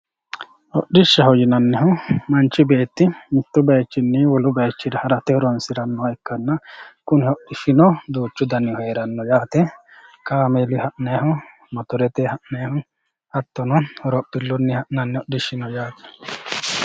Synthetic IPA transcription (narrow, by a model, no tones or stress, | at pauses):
ɔɗɪʃːɐɦɔjɪnɐnːɛɦʊmɐnt͡ʃːɪbeːt̪ːɪmɪt̪ːʊbɐjt͡ʃːɪnːɪwɔlʊbɐjt͡ʃːɪd̪ɐhɐɾɐt̪ɛhɔɾɔnsɪɾɐnːɔɛkːɐnːɐkʊnɪhɔɗːɪʃɪnɔd̪uːt͡ʃːʊd̪ɐnɪhɔjɾɐnːɔjaːt̪ɛkaːmɛlɪhɐʔneːhʊ | mɐt̪ʊɾɛt̪ehɐʔneːhʊ | hɐt̪ːɔnɔɔɾɔpːɪlːʊnːɪhɐʔnɐnːɛɔɗɪʃːɪnɔjaːt̪ɛ̥